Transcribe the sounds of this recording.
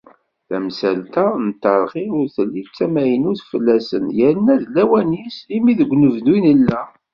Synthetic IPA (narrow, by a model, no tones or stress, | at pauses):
θæ̰msælt̪ænt̪əɾˤʁiʊɾθəlːit͡sːæmæjənʊθfəlːæsə̰njəɾnːæðlæwænisimiðəɡʷːnəvnwinəlːæ